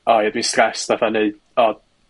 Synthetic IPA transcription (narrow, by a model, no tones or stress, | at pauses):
ɔjadwistrɛsðaθaneɨd̥ | ɔd